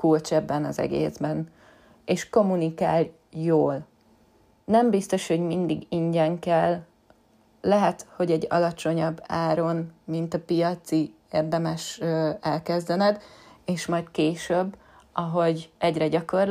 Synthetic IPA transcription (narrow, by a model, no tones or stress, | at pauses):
kult͡ʃɛbːɛnɒzɛ̰ɡḛːzbɛn | eːʃko̞munikaːl | joːl | nɛmbist̪o̞ʃho̞ɟmind̪iɡiɲɟɛŋkɛl | ɛɦɛt̪ho̞ɟɛɟːɒ̰lɒt͡ʃo̞ɲɒbːaːɾo̞nmint̪ɒpijɒt̪si | erd̪ɛmɛʃøɛlkɛzd̪ɛnɛd̪eːʃmɒjt̪keːʃøbː | ɒɦo̞ɟɛɟrɛɟɒko̞r